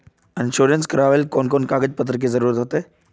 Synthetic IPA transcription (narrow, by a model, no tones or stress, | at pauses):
ɪnʃoːɾənskɐɾaːʋelkoːnkoːnkaːɡəd͡ʑpət̪ɾək̬ezəɾuːɾət̪ɦot̪eː